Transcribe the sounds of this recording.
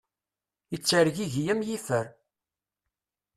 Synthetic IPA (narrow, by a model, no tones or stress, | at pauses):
jət͡sːəɾʝiʝjəmjifəɾ